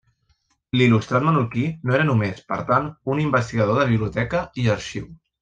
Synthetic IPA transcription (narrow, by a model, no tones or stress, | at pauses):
lilust̪ɾat̪mənuɾkinoeɾənumespəɾt̪anunimbəst̪iɣəðoðəβ̞iβliut̪ɛkəiəɾʃiw